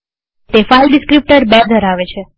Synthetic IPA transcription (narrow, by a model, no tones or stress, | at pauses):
t̪efailɖɪskɾip̚ʈəɾbəɾd̪ʱəɾaʋet͡ʃʰe